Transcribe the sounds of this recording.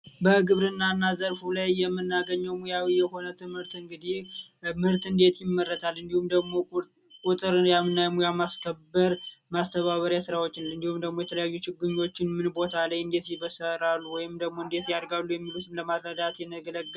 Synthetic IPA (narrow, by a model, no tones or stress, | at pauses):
bəɡɨβɾɨnːanːazəɾfulajːɛmːɨnːaɡəɲːəwmujawijɛho̞nət̪ʰɨmhɨɾt̪ɨŋɡɨd̪ihmɨɾt̪ɨnd̪e̞t̪jɪmːərːət̪ʰalːɨnd̪ihumd̪əɡmo̞ | kʼut̪ʼɨɾjamɨnːajɛmujamaskʰəbːəɾmast̪ʰəβaβəɾjasɨɾawo̞t͡ʃːɪnlɨnd̪ihumd̪əɡmo̞jɛt̪ʰələjajːut͡ʃɪɡuɲːo̞t͡ʃːɪnmɨnbo̞t̪ʰalajɨnd̪e̞t̪jɪβəsəɾalːuwɔjɪmd̪əɡmo̞ɨnd̪e̞t̪jaɾɡalːujɛmːilut̪ʰɨmləmasɾəd̪at̪jɛnːəɡələɡː